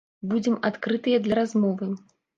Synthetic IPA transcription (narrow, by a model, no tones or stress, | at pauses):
bud͡zʲɛmat̪kɾɨt̪ɨjɐd̪lʲɐɾazmɔvɨ